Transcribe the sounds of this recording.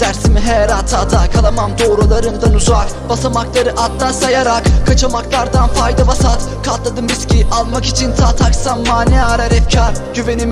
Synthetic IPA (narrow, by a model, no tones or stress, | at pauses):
d̪̥æɾsimiɦɛɾant̪ʰat̪ʰakʰalˠamamd̪oːɾulˠaɾɯnd̪anuzak | b̥asamaklˠaɾɯʔat̪lˠasajaɾakkʰat͡ʃʰamaklˠaɾd̪anfajd̪abasat̪kʰat̪lˠad̪ɯmɾiscʰiʔalˠmaki̥t͡ʃʰint̪ʰaːt̪ʰaksamːaːnɛaɾaɾɛfcʰaɾɟyve̞nim